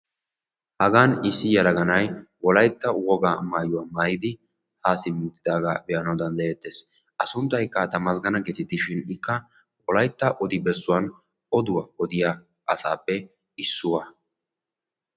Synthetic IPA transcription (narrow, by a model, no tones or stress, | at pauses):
hɐɡaːnɪsːɪjɐlɐɡɐnɐjwɔlɐjt̪ːɐwɔɡaːmaːjʊwamaːjɪd̪ɪ | haːsɪmuːt̪ːɪd̪aːɡaːbɛjɐnɐwd̪ɐnd̪ɐjɛt̪ːeːs | ɐsʊnt̪ːɐjkːɐt̪ɐmɐsɡɐnɐɡɛt̪ɪt̪ːɪʃɪnɪkːɐ | wɔlɐjt̪ːɐʔɔd̪ɪbɛsːʊwɐn | ɔd̪ʊwɐɔd̪ɪja | ʔɐsaːpːɛ | ɪsːʊwɐ